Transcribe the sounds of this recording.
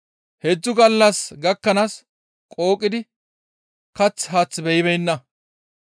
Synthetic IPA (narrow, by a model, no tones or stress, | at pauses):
hɛd͡zːʊɡɐlːɐsɡɐkːɐnas | kʼo̞ːkʼːɪd̪ɪ | kɐt͡sːɦaːt͡sːbɛjɪβɛjnːɐ